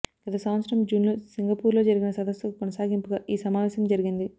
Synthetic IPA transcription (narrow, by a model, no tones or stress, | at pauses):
ɡ̥ɐt̪ɐsɐmɐt̪sɐɾɐmd͡ʒuːnloːsiŋɡɐpuːɾlo̞ːd͡ʒɐɾiɡinɐsɐd̪ɐsukɔnɐsaːɡimpuɡaːʔiːsɐmaːʋɛːsɐmd͡ʒɐɾiɡind̪i